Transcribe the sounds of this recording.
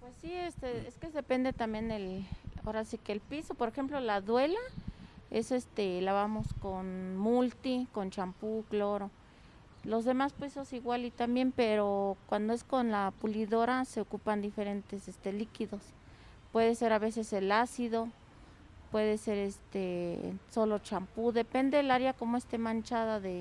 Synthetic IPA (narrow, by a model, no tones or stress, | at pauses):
pwesːiest̪eeskezðepend̪et̪ambjend̪ela̰oɾasikelpisopoɾexemplolaðwelaesest̪elaβamoskonmult̪ikont͡ʃampukloɾo | lozðemaspisosiɣwalit̪ambjempeɾokwand̪oeskonlapuliðoɾaseokupand̪ifeɾent̪esest̪elikiðos | pweðeseɾaβeseselasiðo | pweðeseɾest̪esolot͡ʃampuðepend̪elaɾjakomoest̪emant͡ʃaðaðe